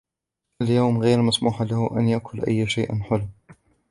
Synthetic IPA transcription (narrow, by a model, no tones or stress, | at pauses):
ʔaljawmɣeːɾmasmuːħalahʊʔanjaʔkʰʊlʔa̰jːʃajʔnħʊl